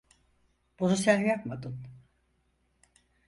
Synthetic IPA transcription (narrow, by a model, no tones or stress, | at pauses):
b̥unusæjakmad̪ɯn